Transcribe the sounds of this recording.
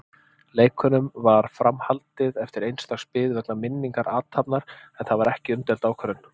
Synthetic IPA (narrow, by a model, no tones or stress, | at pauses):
leːjkʰʏnʏmvaɾ̥fɾamhalt̪ɪðɛft̪ɪɾejnst̪aɣspɪːðvɛknamɪnːiŋkaɾʔaːt̪hapnaɾ̥ɛnθaðvaɾɛhcɪʏmt̪ɛlt̪aːwkʰɛɾʏn